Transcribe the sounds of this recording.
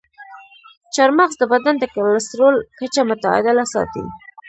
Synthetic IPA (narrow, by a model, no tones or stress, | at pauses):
t͡ʃaɾmaɣzd̪əbad̪and̪əkallɪst̪ɾolkat͡ʃamʊt̪aɪ̰d̪ɪlasɑ̰t̪ḭ